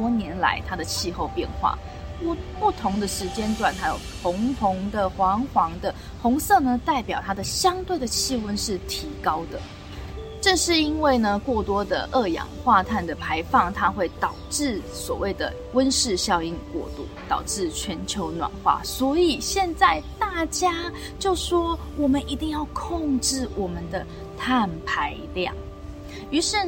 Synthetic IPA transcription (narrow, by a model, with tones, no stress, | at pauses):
wɔ˥njɛ˧˥nla̰˧˥ɪt̪ʰa˥d̪ə˨t͡ɕʰi˥˧xo˥˧ʊpjɛ̰˥˧nxwa̰˥˩˥ | pu˥˩t̪ʰʊ˧˥ŋd̪ə˨ʂɻ̩˧˥t͡ɕjɛ˥nʈ͡ʂ̪wa˨˩nt̪ʰa˧˥jo˨˩ʊxʊ˧˥ŋpʰʊ˧˥ŋd̪ə˨xwɑ˧˥ŋxwɑ˧˥ŋd̪ə˨ | xʊ˧˥ŋsɤ˥˧nə˨t̪a˥˩ɪpjɑ˨˩ʊt̪ʰa˥d̪ə˨ɕjɑ˥ŋt̪we˥˩ɪd̪ə˩t͡ɕʰi˥˧wə˥nʂɻ̩˥˩t̪ʰi˧˥kɑ˥ʊd̪ə˨ | ʈ͡ʂɤ˥˧ʂɻ̩˥˩i˥nwe˥˩ɪnə˩kwɔ˥˩t̪wɔ˥d̪ə̰˨ʔɤ˥˩jɑ̰˨˩ŋxwa˥˧t̪ʰa˥˩nd̪ə˩pʰa˧˥ɪfɑ˥˩ŋt̪ʰa˥xwe˥˩ɪt̪ɑ˨˩ʊʈ͡ʂɻ̩˥˩swɔ̰˨˩we˥˩ɪd̪ə˩ | wə˦nʂɻ̩˥˧ɕjɑ˥˧ʊi˥˩nkwɔ̰˥˧t̪ṵ˥˩t̪ɑ˨˩ʊʈ͡ʂɻ̩˥˩t͡ɕʰɥɛ˧˥nt͡ɕʰjo˧˥ʊnwa̰˨˩nxwa̰˥˩swɔ˧˥i˨˩ɕjɛ˥˧nt͡sa˥˧ɪt̪a˥˩t͡ɕja˥ | t͡ɕjo˥˩ʊʂwɔ˥ | wɔ˨˩mə˨˦ni˧˥t̪i˥˧ŋjɑ˥˧ʊkʰo˥˧ŋʈ͡ʂɻ̩˥˩wɔ˨˩mə˨nd̪ə˨ | t̪ʰa˥˩npʰa˧˥ɪljɑ̰˥˨˩ŋ | y˧˥ʂɻ̩˥˩